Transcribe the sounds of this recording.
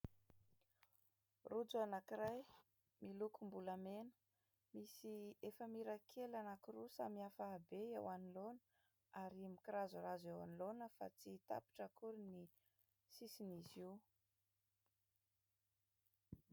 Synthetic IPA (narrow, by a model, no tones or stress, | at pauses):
rud͡zuanakiraj | milukumbuləmenə̥ | misiefəmiɾakʰelanakirusa̰miafaːbeewanilonə̥ | aɾimikiɾazuɾazewa̰nilonəfa̰t͡sit̪a̰pi̥ʈ͡ʂəkuɾini | sisiniziw